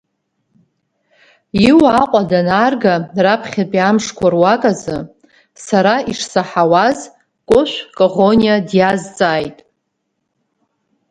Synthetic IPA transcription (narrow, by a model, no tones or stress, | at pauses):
iwaqʷʼadanarɡarapʰχʲapʼiamʂkʷarwakʼazɨ | saɾaiʂsaħawaz | kʷʼʊʃʷkʼoʁonijadjazt͡sʼaːjtʼ